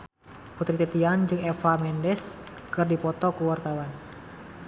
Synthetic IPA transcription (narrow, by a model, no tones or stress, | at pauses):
put̪ɾit̪et̪iand͡ʒɨŋɛfamɛndɛs | kɨrdipɔt̪ɔkuwart̪awan